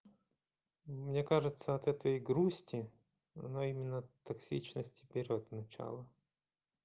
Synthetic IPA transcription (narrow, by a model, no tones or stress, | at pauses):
mnʲekaʐɨt̪səɐt̪ɛt̪əjɡɾusʲtʲɪ | ɐnoimʲɪnːət̪ɐksʲit͡ɕnəsʲtʲɪ̥bʲɪɾʲot̪nɐt͡ɕa̰lˠə